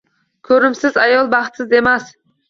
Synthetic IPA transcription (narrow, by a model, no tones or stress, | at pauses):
kʲʰɵɾɪmsɪzajɒlˠbɑχt̪sɪze̞mas